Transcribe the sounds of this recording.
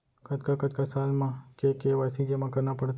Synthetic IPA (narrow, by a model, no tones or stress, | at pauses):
kət̪kakət̪kasalmãkekeʋasid͡ʒemãkəɾnapəɽt̪